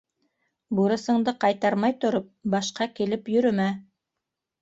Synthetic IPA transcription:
buɾɤ̆sɤ̆ɴd̪ɤqɑjt̪ɑɾmɑjt̪ŏɾop̚bɑʃqɑkilɘpjɵ̆ɾɘ̆mæ

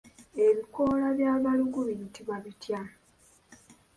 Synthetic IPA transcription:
e̞βiko̞ːlaβjaːβaluɡuβintiβaβitja

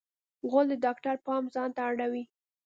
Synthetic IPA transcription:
ɣold̪ədɑkʈaɾpɑmzɑnt̪aːɽawi

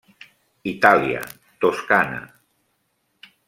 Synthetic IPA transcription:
it̪aliə̰ | t̪oskana̰

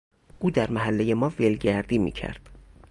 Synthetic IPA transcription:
ʔuːd̪æɾmæɦælːejemɒːvelɟæɾd̪iːmḭːcʰæ̰ɾd̪̥

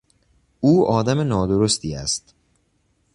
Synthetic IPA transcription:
uːɒːd̪æmenɒːd̪oɾost̪ʰiːæ̰st̪

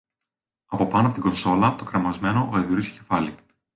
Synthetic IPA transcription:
ɐpo̞pɐnoɐpo̞t̪iɡo̞nso̞lɐt̪o̞kɾɐmɐzme̞no̞ʔoeðiɾisoce̞fɐli

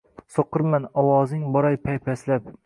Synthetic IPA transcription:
soqʰːɨɾmanɒwɒzɪŋbɒɾajpʰajpʰaslap̚

